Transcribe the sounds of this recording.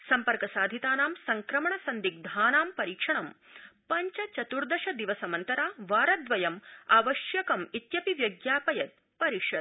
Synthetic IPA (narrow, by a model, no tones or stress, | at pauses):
sɐmpɐɾkɐsaːd̪ʱit̪aːnaːmsɐŋkɾɐmɐɳɐsɐnd̪ik̚d̪ʱaːnaːmpɐɾiːkʂɐɳɐmpɐɲt͡ʃɐt͡ʃɐt̪uɾd̪ɐʃɐd̪iʋɐsɐmɐnt̪ɐɾaːʋaːɾɐd̪ʋɐjɐmaːʋɐʃjɐkɐmit̪jɐpiʋjɐɡjaːpɐjɐt̪̚ | pɐɾiʂɐd̪̚